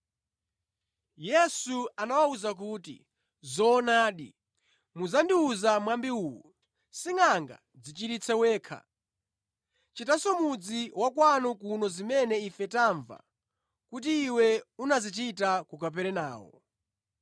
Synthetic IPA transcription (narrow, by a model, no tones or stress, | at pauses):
jɛsuanawauzak̬uːtḭ | zɔːnaːɗḭ | muzandiuzamwambiuːwṵ | siŋaŋɡa̰ | d͡zit͡ʃiɾit͡sʰɛwɛːkʰa̰ | t͡ʃitasɔmud͡ziwakwanɔkunɔzimɛnɛifɛtaɱva̰ | kutiːwɛunazit̬itakukap̬ɛɾɛna̰ːwɔ̰